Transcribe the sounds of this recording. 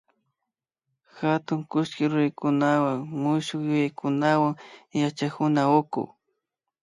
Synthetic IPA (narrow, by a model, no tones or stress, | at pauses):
xat̪ʊŋkʊʃkɪɾʊɾajkʊnawaŋmʊʃʊkjʊjajkʊnawaŋjat͡ʃakʊnaokʊ̰